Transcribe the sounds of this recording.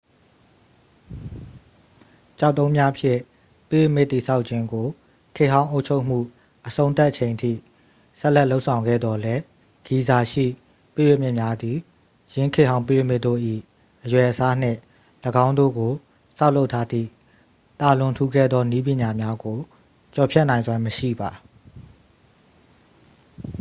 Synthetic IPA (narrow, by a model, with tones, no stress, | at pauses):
t͡ɕa˦˨ʊt̪ːõ˦ʊ̃mja˦ʔpʰjɪ̰̃˦˨ | pi˦˨wɪ˦˨mɪ˦ʔt̪i˨sʰa˦ʊʔt͡ɕʰɪ̃˦ŋɡo˨ | kʰɪ˦ʔɦã˦ʊ̃ʔo˦ʊʔt͡ɕʰo˦ʊʔm̥ṵ˦˨ | ʔəsʰõ˦ʊ̃nt̪a˦ʔt͡ɕʰẽ˨ɪ̃ntʰḭ˦˨ | sɛ˦ʔlɛ˦ʔlo˦ʊʔsʰã˨ʊ̃ŋɡɛ̰˦˨d̪ðɔ˨lɛ˦ | ɡ̥i˨za˨ʃḭ˦˨ | pi˦˨wɪ˦˨m̥ɪ˦ʔmja˦d̪i˨ | jɪ̃˦ŋkʰɪ˦ʔɦã˦ʊ̃p̬i˦˨wɪ˦˨mɪ˦ʔt̪o̰˦˨ʔḭ˦˨ | ʔəjwɛ˨ʔəsa˦n̥ɪ̰̃˦˨ | ləɡã˦ʊ̃nd̪o̰˦˨ɡo˨ | sa˦ʊlo˦ʊtʰa˦d̪ðḭ˦˨ | t̪a˨lʊ̃˨ntʰu˦ɡɛ̰˦˨d̪ðɔ˦ni˦p̬jɪ̃˨ɲa˨mja˦ɡo˨ | t͡ɕɔ˨pʰjɛ˦ʔnã˨ɪ̃zwa˨˦məʃḭ˦˨ba˨